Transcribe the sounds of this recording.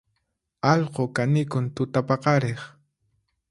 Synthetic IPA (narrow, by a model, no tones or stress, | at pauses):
ɑʎqokanɪkʊnt̪ʊt̪apɑqɑɾeχ